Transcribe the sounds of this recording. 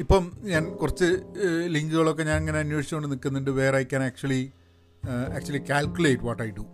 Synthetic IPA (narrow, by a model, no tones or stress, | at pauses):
ipːomɲaːnkurɐt͡ɕːɨliŋɡɨɣɐɭok̬ːe̞ɲaːnɐŋːɐneɐnjoːʂi̥t͡ɕːɐmoɳɖɨnikːunːiɳɖɨʋe̞ːrɐjkʲːaːnaːk̚t͡ɕuɐli | a̰ːk̚t͡ɕuɐlikʲaːlkʲjuleːʈʋɔːʈːaːjiɖu